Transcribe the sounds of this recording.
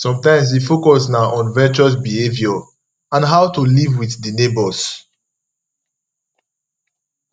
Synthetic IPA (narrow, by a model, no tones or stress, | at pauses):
sɔ̃mtãɪ̃ms̬ifokɔsnaʔɔ̃nvɛt͡ʃuɔs̬bihevjɔ | ãnɦawtulivwiθdinebɔs